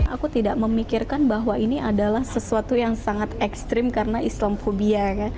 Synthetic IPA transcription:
a̰kut̪idaʔməmikɪrkanbaɦwainiʔadalahsəsuat̪ujaŋsaŋat̪ɛkst̪ɾɪmkarənaʔislamfobiakan

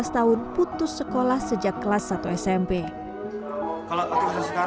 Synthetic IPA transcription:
ast̪aʊnput̪ʊsːəkolahsəd͡ʒakːəlasat̪uɛsɛmpe | kaloat̪usəa

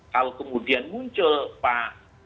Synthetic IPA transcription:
kalokəmudianmuɲt͡ʃəlpa

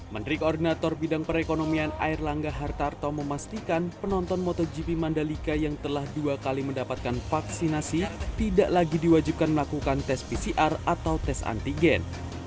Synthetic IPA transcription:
mənɾikoɔrdinat̪ɔrbidaŋpəɾekonomiana̰irlaŋɡaɦart̪art̪ɔməmast̪ikanpənɔnt̪ɔnmɔt̪ɔd͡ʒipimandalikajaŋt̪əlahduakaliməndapat̪̚kanfaksinasit̪idaʔlaɡidiwad͡ʒip̚kanməlakukant̪ɛspisiʔarat̪awt̪ɛsa̰nt̪iɡɛn

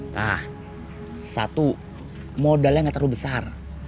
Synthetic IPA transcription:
nah | sa̰t̪u | modaljaŋɡat̪əɾuhbəsar

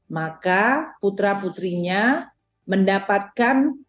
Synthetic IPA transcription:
makaput̪ɾaput̪ɾiɲa | məndapat̪̚kan

